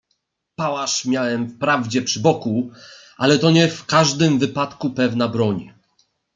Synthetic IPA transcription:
pawaʂmʲjawɛmfpɾavd͡ʑɛpʂɘbɔku | ʔalɛt̪ɔɲɛfkaʐd̪ɘmvɘpat̪kupɛvnabɾɔɲ

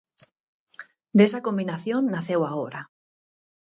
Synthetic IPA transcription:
d̪esako̞mbinaθjonːaθewaoɾa

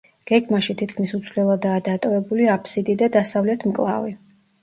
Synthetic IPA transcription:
ɡ̥ɛɡmaʃit̪ʰit̪ʰkʰmisut̪sʰvlɛlˠad̪aːd̪at̪ʼɔvɛbuliapʰʼsid̪id̪ad̪asavlɛt̪ʰmkʼlˠa̰vi

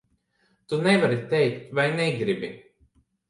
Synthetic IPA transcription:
t̪unɛvaɾit̪ɛjkt̪vajnɛɡɾibi

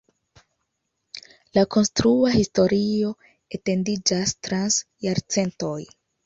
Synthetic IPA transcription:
lako̞nstɾuahisto̞ɾio̞ | ete̞ndid͡ʒastɾans | jaɾt͡se̞nto̞j

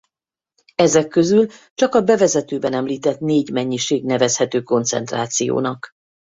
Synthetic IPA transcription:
ɛzɛkːøzylt͡ʃɒkɒbɛvɛzɛt̪øːbɛnɛmliːt̪ɛt̪neːɟmɛɲːiʃeːɡnɛvɛshɛt̪øːko̞nt̪sɛ̰nt̪ra̰ːt̪sijo̰ːnɒk

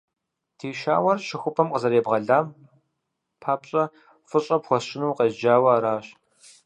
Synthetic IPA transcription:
tʰiːʃa̰ːwɐrʃɪxʷʊpʰɐmqəzɐɾeːbʁɐɮaːm | pʰaːpɕʼɐ | fɨɕʼɐpxʷɔʃɪnuːqeːzd͡ʒaːwɐːɾaːɕ

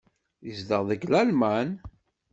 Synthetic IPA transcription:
jəzd̪əʁðəɡlælmæn

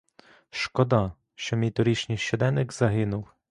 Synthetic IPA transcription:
ʃkɔd̪ɑ | ʃt͡ʃɔmʲijt̪ɔɾʲit͡ʃnʲɪjʃt͡ʃɔd̪ɛnɪkz̥ɐɦɪnʊw

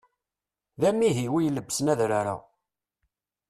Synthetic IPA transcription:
ðæmːiɦiwijləbːsnæðɾaɾa̰

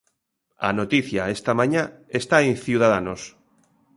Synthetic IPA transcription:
a̰not̪iθjaest̪amãɲaest̪aẽŋθiuð̞aðanos

